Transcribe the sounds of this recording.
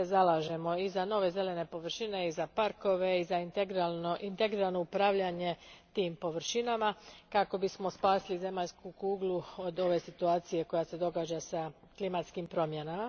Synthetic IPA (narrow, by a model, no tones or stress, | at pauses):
ezalaːʒe̞mo̞izano̞ːʋe̞ze̞le̞ne̞po̞ʋr̩ʃine̞izapaɾko̞ʋe̞izaɡʔint̪eɡɾialno̞upɾaːʋʎaɲe̞t̪iːmpo̞ʋɾ̩ʃinamakako̞bismo̞spaːsilize̞maʎskukuːɡlˠuod̪o̞ʋe̞sit̪uaːt̪sije̞ko̞jase̞d̪o̞ɡaːd͡ʑasa | klimat̪skimpɾo̞mje̞nama